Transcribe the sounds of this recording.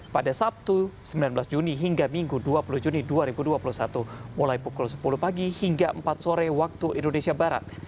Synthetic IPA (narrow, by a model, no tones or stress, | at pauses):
padasap̚t̪usəmbilanbəlasd͡ʒuniɦiŋɡamiŋɡuduapulud͡ʒuniduaɾibuduapulusat̪umulajipukulsə̥puluhpaɡihiŋɡaʔəmpat̪̚soɾɛwak̚t̪uʔindonesiabaɾa̰t̪̚